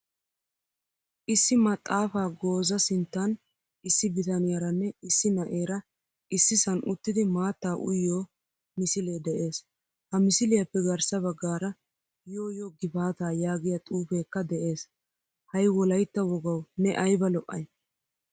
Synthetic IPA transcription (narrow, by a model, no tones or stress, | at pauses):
ʔɪsːɪmɐt̪ʼːaːfaːɡo̞ːzɐsɪnt̪ːɐn | ɪsːɪbɪt̪ɐnɪjɐɾɐnːɛɪsːɪnɐʔeːɾɐ | ɪsːɪsɐnʔʊt̪ːɪd̪ɪmaːt̪ːaːʔʊ̰jːoː | mɪsɪleːd̪ɛʔe̞ːs | hɐmɪsɪlɪjɐpːɛɡɐɾsɐbɐɡːaːɾɐ | jo̞ːjoɡɪbaːt̪aːjaːɡɪjɐt̪ʼuːfe̞ːkːɐd̪ɛʔe̞ːs | hɐjwɔlɐjt̪ːɐwɔɡɐwnɛʔɐjbɐlɔʔʼːɐ̰j